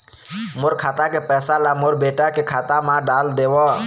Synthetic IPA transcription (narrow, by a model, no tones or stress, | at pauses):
mʊɾkʰaːt̪akepɛːsalamoɾbeːʈakekʰaːt̪amãɖaːld̪eːwa